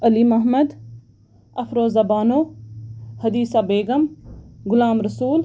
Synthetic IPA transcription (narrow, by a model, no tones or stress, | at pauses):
ɐliːmɐɦməd̪ | ɐfɾoːzɐbaːnoː | hɐd̪iːsaːbeːɡɐmɡʊlaːmɾɐsuːl